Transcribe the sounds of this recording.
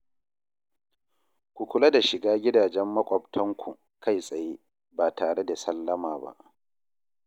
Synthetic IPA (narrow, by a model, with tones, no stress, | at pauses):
kʷu˨kʷʊ˦lɐ˦da˨ʃɪ˨ɡaː˦ɡʲɪ˦daː˨d͡ʒɛ˦mːɐ˦kʷʼɔ˨b̚tʰɐ˦ŋkʷʰu˨ | ka˦jsʼɐ˨jeː˦ | baː˨taː˨ɽe˦da˨sɐ˦lːɐ˦maː˨ba̰˦ʔ